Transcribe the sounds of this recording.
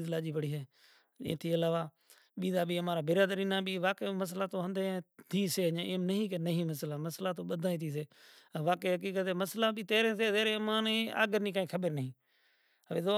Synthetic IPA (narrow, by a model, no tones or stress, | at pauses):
zlaːd͡ʒiːpəɽiːɦeː | ḛːt̪ʰiːəlaːʋaː | ɓiːd̪aːɓiːəmãːɾaːbɪɾaːd̪əɾiːnãːɓiːʋaːkeːməs̬laːt̪oːɦə̃nd̪ẽt̪ʰiːseːɦəɲãːʔeːmnəɦĩːk̬eːnəɦĩːməslaːməslaːt̪oːɓəd̪ʱaːẽːt̪ʰiːs̬eːʋaːkeːɦək̬iːkət̪ɦeːməslaːɓiːt̪eːɾẽːseːzeːɾeːəmãːnea̰ːɡəɾniːkãːĩːkʰəɓəɾnəɦĩː | ʋeːo